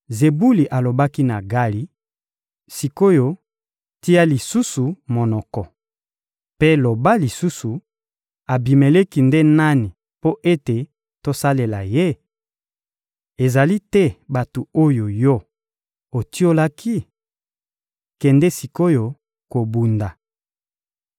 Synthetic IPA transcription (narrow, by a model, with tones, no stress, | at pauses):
ze˨bu˦li˨ʔa˨lo˨ba˦ki˦na˨ɡa˦li˦ | si˨ko˦jo˨ | ti˦ja˦li˨su˦su˨mo˨nɔ˨kɔ˨ | pe˦lo˨ba˦li˨su˦su˨ | a˨bi˨me˨le˦ki˨nde˦na˦ni˨ | po˦ʔe˦te˨ | to˦sa˦le˨la̰˨je˦ | e˨za˨li˦tɛ˦ba˨tu˨o˦jo˨jɔ˦ | o˨ti˦o˦la˦kʰi˦ | kɛ˨ndɛ˦si˨ko˦jo˨ | ko˨bu˨nda˨